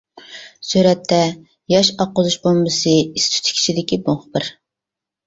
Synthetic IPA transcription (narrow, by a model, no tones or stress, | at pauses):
syɾɛt̪ʰːɛ | jɑʃɑqːʊzuʃbolˠmɨsɨist̪ʰy̥t̪ʰkʲʰi̥t͡ʃʰid̪ɪkʲiboŋχəbɨɾ